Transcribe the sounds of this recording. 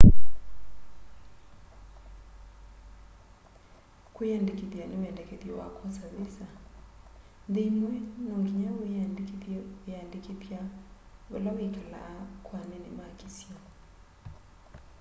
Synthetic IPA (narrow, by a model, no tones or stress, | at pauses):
kwiandikipjaniwɛndɛkɛðiɔwa̰kʰɔsaβisa | nd̪imwɛnɔŋɡiɲawiandikipandikipjaβa̰lawikala̰ːkwanɛnimakisiɔ